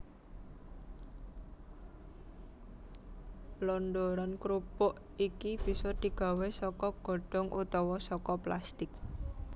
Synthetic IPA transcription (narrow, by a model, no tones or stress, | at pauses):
lɔnd̪oɾɔnkɾupʊʔ | ikib̥i̤sɔd̪̥i̤ɡ̥a̤wesɔkɔɡ̥o̤ɖ̥ɔ̤ŋʔut̪ɔwɔsɔkɔplast̪ɪk̚